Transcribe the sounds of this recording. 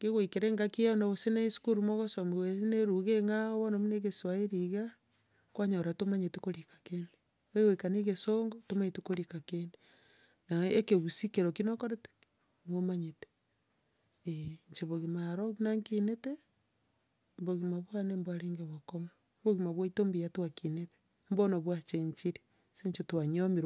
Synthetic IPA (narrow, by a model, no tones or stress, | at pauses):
keɣoikeɾeŋɡakijonaβoseneisu̥kuɾumoɣosomiwesineɾuɣeŋawonomineɣeswaiɾiɣa | kwaɲoɾatomaɲetekoɾikḁkene | ɣewekaneɣesoŋɡotomaɲetekoɾikakene | naekeβusikeɾokinokoɾete̥ | nomaɲete̥ | eɲt͡ʃeβoɣimaɾoɣinaŋkinete | boɣimaβwanembwaɾeːŋɡeβokoma | boɣimaβwaitombijatwakinete̥ | mbonoβwat͡ʃeɲt͡ʃiɾi | seɲt͡ʃetwaɲomiɾ